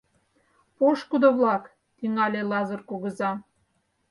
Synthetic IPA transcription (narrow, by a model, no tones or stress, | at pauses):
poʃkud̪oβlɑk | t̪iŋɑlʲelɑzərkoɣə̆zɑ